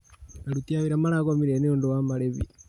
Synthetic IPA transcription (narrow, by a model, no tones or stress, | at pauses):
naɾut̪iawiɾamaɾakɔmiɾɛniɔndɔwamaɾɛβḭ